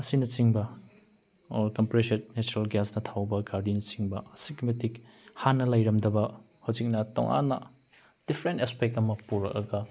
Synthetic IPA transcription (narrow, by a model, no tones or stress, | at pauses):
ɐsinɐt͡ʃiŋbɐ | kɐmpɾesennet͡ʃuɾalɡasnɐtʰawbɐɡaɾdinɐt͡ʃiŋbɐɐsikmetik | hanːɐlɐjɾɐmdɐbɐ | howzik̚nɐto̰ŋʔa̰nːɐ̰ | d̥ipʰɾentespek̚tɐmɐpuɾɐ̰k̚ɐ̰ɡɐ